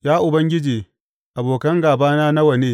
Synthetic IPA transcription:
jaː˦ʔʊ˨bɐ˦ŋɡʲɪ˦d͡ʒiː˨ | ʔa˨boː˨kɐ˦ŋɡaː˨baː˦naː˦na˦wɐ˨neː˦

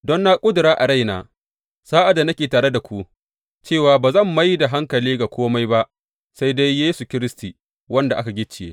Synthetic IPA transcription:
dɔ˦nːa˦kʷʼʊ˦dʊ˨ɾaː˦ʔa˨ɽa˦jnaː˨ | saː˦ʔa˨da˨na˦kʲeː˨taː˨ɽe˦da˨kʷu˦ʔ | t͡ʃeː˦˨waː˨baː˨zɐ˦˨mːa˦jda˨ɦa˦ŋkɐ˨liː˦ɡa˨kʷoː˦ma˦jba˦ʔ | sa˦jda˦jːeː˦su˨kʲɪ˦ɾɪ˦sti˨ | wɐ˦nda˨ʔa˦ka˨ɡʲɪ˦t͡ʃːɪ˨jḛː˦

